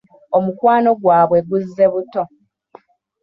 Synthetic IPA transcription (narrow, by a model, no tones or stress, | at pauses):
omukwaːno̞ɡwaːβwe̞ɡuzːe̞βuto̞